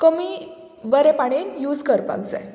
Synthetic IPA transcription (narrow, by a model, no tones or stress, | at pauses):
kəmi | ʋəɾepaɽ̃enjuːd͡zkəɾpa̰ɡd͡za̰